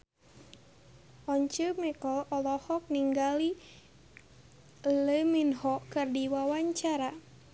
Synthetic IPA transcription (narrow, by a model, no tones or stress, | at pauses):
ʔɔɲt͡ʃəmɛkɔlɔlɔhɔk̚niŋɡali | ləminhɔkɨrdiwawaɲt͡ʃaɾa